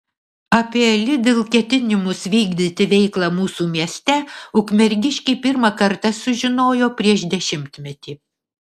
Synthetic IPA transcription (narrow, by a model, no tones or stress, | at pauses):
ɐpʲiɛlʲɪd̪ʲelˠkʲɛt̪ʲɪnʲɪmʊsʋʲiːɡd̪ʲɪt̪ʲɪʋʲɛɪklˠɑmuːsuːmʲiɛsʲt̪ʲɛʊkmʲɛɾʲɡʲɪʃʲkʲɛɪpʲɪɾmɐkɐɾt̪ɐsʊʒʲɪnoːjoːpʲɾʲiɛʃd̪ʲɛʃʲɪmʲt̪ʲmʲɛt̪ʲiː